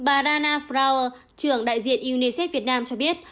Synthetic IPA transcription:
ɓaː˨˩zaː˧naː˧fɾaː˧wəː˧ | t͡ɕɨ˧˩əŋɗa̰ː˧˨jzḭ˧˨ənʔi˧wni˧sɛ˦˥t̚vi˨˩ət̚naː˧mt͡ɕɔ˧ɓi˦˥ət̚

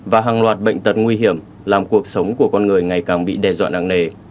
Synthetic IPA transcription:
vaː˨˩ɦaː˨˩ŋlwaː˨˩t̚ɓə̰˧˨ŋ̟t̪ə˨˩t̚ŋwi˧ɦi˧˩əm | laː˨˩mku˨˩ək̚sə˨˦wŋ͡mku˧˩əkɔ˧nŋɨ˨˩əjŋa˨˩jkaː˨˩ŋɓḭ˧˨ɗɛ˧zwa̰ː˧˨na̰ː˧˨ŋne˧˩

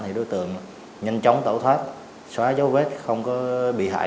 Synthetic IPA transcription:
t̪ʰi˨˩ɗo˨˦jt̪ɨ̰˧˨əŋ | ɲə˧nt͡ɕa˨˦wŋ͡mt̪o̰˧˩t̪ʰwaː˦˥t̚ | swaː˨˦zə˨˦wve˦˥t̚xə˧wŋ͡mkɔ˨˦ɓḭ˧˨ɦa̰ː˧˨

